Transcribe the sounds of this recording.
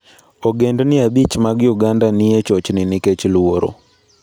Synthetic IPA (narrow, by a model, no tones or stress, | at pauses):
oɡendnɪabit͡ʃmaɡjuɡandanɪjet͡ʃɔt͡ʃnɪnɪket͡ʃlwoɾo̰